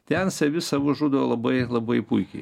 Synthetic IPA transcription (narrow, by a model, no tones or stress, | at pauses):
t̪ʲɛnsɐʋʲɪsɑʋoʒuːd̪olˠɐbɐɪlˠɐbɐɪpuɪkʲɛɪ